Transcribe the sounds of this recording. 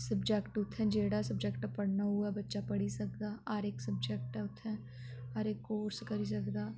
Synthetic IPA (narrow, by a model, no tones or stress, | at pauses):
sɐbd͡ʒekʈʊt̪ʰːɛ̃d͡ʒeːɽasɐbd͡ʒekʈpɐɽ̤naɦuabɐtːʃapɐɽisɐk̚d̪aːaːɾeːksɐbd͡ʒɛk̚ʈɛ̃ʊt̪ʰːɛ̃ | aːɾeːkːoːɾskɐɾis̬ɐkd̪aː